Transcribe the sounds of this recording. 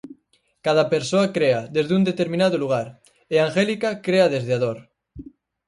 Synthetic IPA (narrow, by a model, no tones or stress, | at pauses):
kað̞apeɾsoakɾeaðezðund̪et̪eɾmĩnaðoluɣ̞aɾ | eaŋxelikakɾeaðezðeað̞oɾ